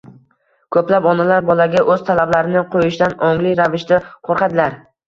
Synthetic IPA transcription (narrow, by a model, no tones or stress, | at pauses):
kʰɵplapɒnalaɾbɒlaɡʲaʔɵz̥t̪ʰalablaɾɪnɪqʰojɪʃd̪anɒŋlɪɾavɪʃd̪aqʰoɾqɑd̪ɪlaɾ